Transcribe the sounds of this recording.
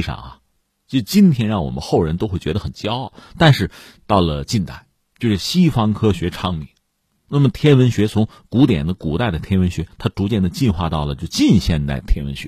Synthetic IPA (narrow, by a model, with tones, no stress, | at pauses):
ʂɑ̰˨˩ŋɐ̰˩ | t͡ɕʊt͡ɕi˥nt̪ʰjɛ˥nɻɑ˥˩ŋwɔ̰˨˩mə̰˧˦nxo˥˩ʊɻə˧˥nt̪o˥ʊxwe˥˩ɪt͡ɕɥɛ˧˥d̪ə˧xə˨˩nt͡ɕjɑ˥ʊɑ˥˩ʊt̪a˥˧nʂɻ̩˥˧ | t̪ɑ˥˩ʊlə˩t͡ɕi˥˧nt̪a˥˩ɪ | t͡ɕjo˥˧ʊʂɻ̩˥˩ɕi˥fɑ˥ŋkʰɤ˥ɕɥɛ˧˥ʈ͡ʂʰɑ˥ŋmi˨˩˦ | na˥˩mə˩t̪ʰjɛ˥nwə˧˥nɕɥɛ˧˥t͡sʰʊ˧˥ŋ | ku˧˥t̪jɛ̰˨˩nd̪ə˦ku˨˩t̪a˥˩ɪd̪ə˩t̪ʰjɛ˥nwə˧˥nɕɥɛ˧˥t̪ʰa˥ʈ͡ʂu˧˥t͡ɕjɛ˥˩nd̪ə˩t͡ɕi˥˧nxwa̰˥˧t̪ɑ˥˩ʊlə˩t͡ɕjo˥˧ʊt͡ɕi˥˧nɕjɛ˥˧nt̪a˥˩ɪt̪ʰjɛ˥nwə˧˥nɕɥɛ̰˧˥